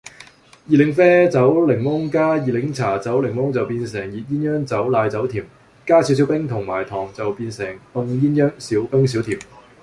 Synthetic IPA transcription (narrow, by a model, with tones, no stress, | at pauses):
jiː˨lɪ˨˥ŋfɛː˥t͡sɐ˨˥wlɪ˨˩ŋmʊ˥ŋkaː˥jiː˨˩lɪ˨˥ŋt͡sʰaː˨˩t͡sɐ˨˥wlɪ˨˩ŋmʊ˥ŋt͡sɐ˨wpiː˧nsɪ˨˩ŋjiː˨t̚jiː˥njœː˥ŋt͡sɐ˨˥wlaː˧jt͡sɐ˨˥wt̪ʰiː˨˩m | kaː˥si˨˥wsi˨˥wpɪ˥ŋt̪ʰʊ˨˩ŋmaː˨˩jt̪ʰɔː˨˩ŋt͡sɐ˨wpiː˧nsɪ˨˩ŋt̪ʊ˧ŋjiː˥njœː˥ŋsiː˨˥wpœː˥ŋs̬iː˨˥wt̪ʰiː˨˩m